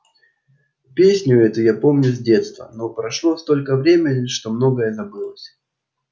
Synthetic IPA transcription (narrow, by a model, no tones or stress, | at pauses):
pʲesʲnʲʊɛt̪ʊjapo̞mnʲʊzʲdʲe̞t̪st̪və̰no̞pɾɐʂlˠo̞st̪o̞lʲkəvɾʲemʲɪnʲɪʂt̪o̞mno̞ɡəjəzɐbɨlˠəsʲ